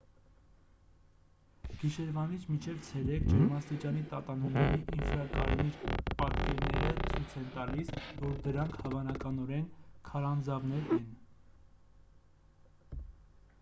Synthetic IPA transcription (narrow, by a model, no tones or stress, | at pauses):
ɡ̥iʃɛɾvɑnit͡sʰmint͡ʃʰɛvt͡sʰɛɾɛkʰd͡ʒɛɾmɑst̪it͡ʃɑnit̪ɑt̪ɑnumnɛɾiʔinfɾɑkɑ̰ɾɛniɾpɑt̪kɛɾnɛ̰ɾət͡sʰujt͡sʰɛnt̪ɑlisvɔɾd̪əɾɑŋkʰhɑvɑnɑkɑnɔɾɛnkʰɑɾɑnd͡zɑvnɛɾɛn